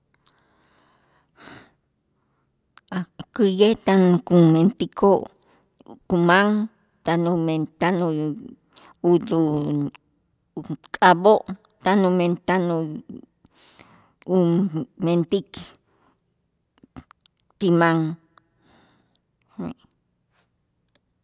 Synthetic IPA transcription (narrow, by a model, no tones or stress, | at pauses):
akɨjet̪aŋkument̪ikʰoʔ | kumaŋ | t̪anument̪ano | udu | kʼaboʔt̪anument̪ano | ument̪ik | t̪imaŋ